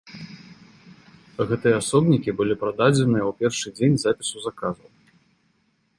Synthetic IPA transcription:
ɣɛt̪ɨjɛasɔbnʲikʲibɨlʲipɾad̪ad͡zʲɛnɨjɐwpʲɛrʂɨd͡zʲenʲzapʲisuzakazɐw

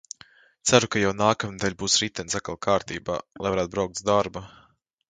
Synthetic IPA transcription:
t̪sæɾukajawnaːkamnd̪alʲbuːsɾit̪ɛnsakalˠkʰaːɾt̪iːba̰ːlˠajvaɾːt̪̚bɾawk̚t̪d̪aɾba

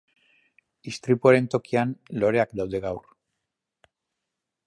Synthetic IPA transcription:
ist̪ɾipuaɾe̞nt̪o̞kianlo̞ɾe̞akd̪awðe̞ɣawr

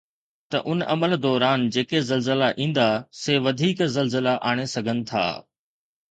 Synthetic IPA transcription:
t̪ɐ̰ʔʊnʔɐməld̪ɔːɾaːnd͡ʑeːkezɐlzəlaʔĩːn̆d̪aseːʋɐd̪ʱiːkzɐlzəlaʔaːɽ̃esɐɡʱənɪ̆t̪ʰa̰ː

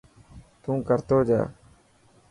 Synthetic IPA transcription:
t̪ũːkəɾt̪oːd͡ʒa̰ː

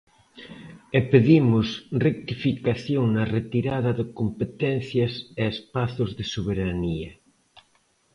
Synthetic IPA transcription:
epeðimʊsrek̚t̪ifikaθjoŋnɐret̪iɾaðɐðɪkompet̪ɛn̟θjɐseespaθʊzðɪsoβ̞eɾaniɐ

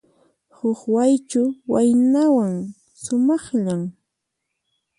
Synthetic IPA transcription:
hʊχwajt͡ʃʊwajnawaŋ | sʊmɑχʎam

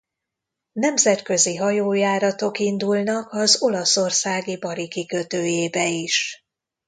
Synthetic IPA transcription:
nɛmzɛt̪kø̞ziɦɒjoːjaːɾɒt̪o̞kind̪ulnɒkɒzo̞lɒso̞rsaːɡibɒɾikikø̞t̪øːjeːbɛiʃ

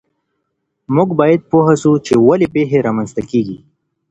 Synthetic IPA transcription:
mʊɡbɑːjad̪̚poɦasut͡ʃewalepeɦeɾamanst̪akeːɡi

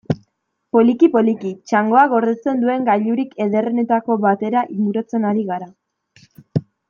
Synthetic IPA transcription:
po̞likipo̞likit͡ʃaŋɡo̞aɣo̞ɾðe̞st͡se̞nd̪ue̞ŋɡaʎuɾike̞ðe̞rene̞t̪ako̞βat̪e̞ɾaʔiŋɡuɾo̞t͡se̞naɾiɣaɾa

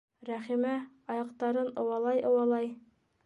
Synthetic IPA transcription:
ɾæχimæ | ɑjɑqt̪ɑɾɤnɤ̆wɑlˠɑjɤ̆wɑlˠɑj

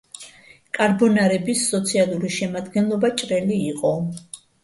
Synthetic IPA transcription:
kʼaɾbɔnaɾɛbisːɔt̪sʰialˠuɾiʃɛmad̪ɡɛnlˠɔbat͡ʃʼɾɛliːqʼɔ

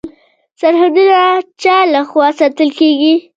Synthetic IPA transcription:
saɾɦad̪unat͡ʃɑlaxwɑsɑt̪əlkeɡi

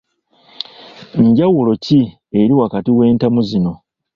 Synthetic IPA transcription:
ɲɟawulo̞ci | e̞ɾiwakatiwe̞ːntamuzino̞

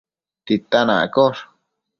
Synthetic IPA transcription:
t̪it̪anã̰a̰koʂ

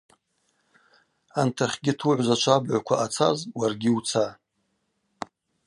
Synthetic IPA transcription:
antʰaχʲɡʲɪtʰuʕʷzat͡ʃʷʰabʕʷakʷʰaʔat͡sʰa̰zwarɡʲɪut͡sʰa

